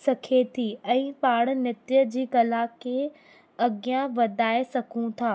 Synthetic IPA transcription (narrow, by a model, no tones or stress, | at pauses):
sɐkʰet̪ʰiːɛ̃ːpaːɽ̃nɪt̪jəd͡ʑiːkɐlakʰe | ɐɡijãʋɐd̪ʱaːesɐkʰũt̪ʰaː